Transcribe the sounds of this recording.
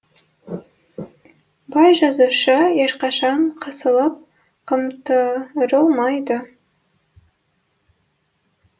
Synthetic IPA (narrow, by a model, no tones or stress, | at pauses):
bɑjʒɑzuʃəjeʃqɑʃɑɴqʰəsəlˠəp̚ | qʰəmt̪əɾəlˠmɑjd̪ə